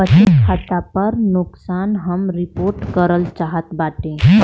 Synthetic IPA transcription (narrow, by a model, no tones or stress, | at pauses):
ət͡ʃitkʰat̪apəɾnʊksaːnɦəmɾɪpoːɾʈkəɾəlt͡ʃaːɦət̪baːʈẽː